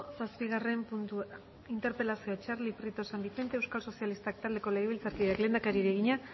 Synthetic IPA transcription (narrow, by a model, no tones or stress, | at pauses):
saspiɣ̞are̞mpunt̪u | int̪e̞ɾpe̞lasioat͡ʃarlipɾit̪o̞sambiθe̞nt̪ewskalso̞sialist̪ak̚t̪ald̪e̞ko̞le̞ɣeβ̞ilt͡saɾkiðeakle̞nd̪akaɾiɾeɣ̞iɲa